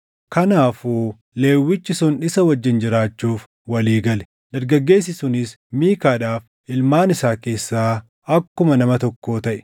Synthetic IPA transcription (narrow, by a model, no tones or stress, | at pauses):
kɐnaːfuː | leːwːɪt͡ʃːɪsʊnɪsɐwɐd͡ʒːɪnd͡ʒɪɾaːt͡ʃːuːf | wɐliːɡɐlɛ̥ | d̪̥ɐɾɡɐɡːe̞ːs̬ɪsʊnɪs | miːkaːᶑaːf | ʔɪlmaːnɪsaːke̞ːsːaː | ɐkːʊmɐnɐmɐt̪ɔkːo̞ːt̪ɐʔɛ̥